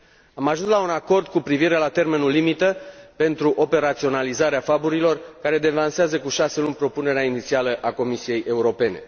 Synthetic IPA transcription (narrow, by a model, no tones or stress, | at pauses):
amaʒunslaunako̞rd̪̚kupɾiviɾe̞lat̪e̞rme̞nulːimit̪əpe̞nt̪ɾuʔo̞pe̞ɾat̪sio̞nalizaɾeafabuɾilo̞rkaɾe̞d̪e̞vanseazəkuʃase̞lunʲpɾo̞pune̞ɾeainit̪sialəʔako̞misije̞jʔe̞uɾo̞pe̞ne̞̰